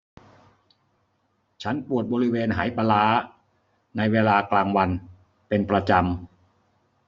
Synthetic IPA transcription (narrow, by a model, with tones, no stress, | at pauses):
t͡ɕʰa˦˥npu˨˩ət̪̚bɔː˧ɾi˦˥weː˧nɦa̰ː˩˦jpa˧laː˦˥ | na˧jweː˧laː˧klaː˧ŋwa˧n | pe˧npɾa˧t͡ɕa˧m